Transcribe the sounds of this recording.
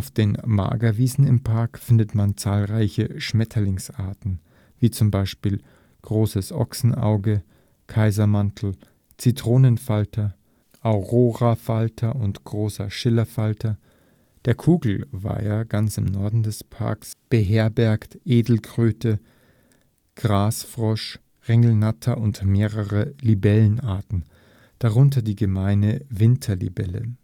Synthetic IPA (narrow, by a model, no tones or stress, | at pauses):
ʔaʊfd̥eːnma̰ːɡɐviːzn̩ɪmpʰaɐkfɪndətmant͡saːlʁaɪçəʃmɛtʰɐlɪŋsʔa̰ɐtn̩ | viːt͡sʊmbaɪʃpiːl | ɡ̥ʁoːsəsʔɔ̰ksn̩ʔa̰ʊɡə | kʰaɪzɐmantʰl̩ | t͡sitʁ̥oːnənfaltʰɐ | ʔaʊʁoːʁafaltʰɐʔʊntɡ̥ʁoːsɐ̰ʃɪlɐfaltɐ | d̥eːɐkʰuːɡl̩va̰ɪaɡant͡sɪmnɔɐdn̩dɛspʰa̰ɐksb̥əɦeːɐbɛɐktʔeːdl̩kʁ̥øːtə | ɡ̥ʁaːsfʁ̥ɔʃ | ʁɛŋl̩natʰɐʔʊntmeːʁəʁəlibɛlənʔaɐtn̩ | d̥aʁʊnt̬ɐdiːɡəmaɪnəvɪntʰɐlḭbɛlə̰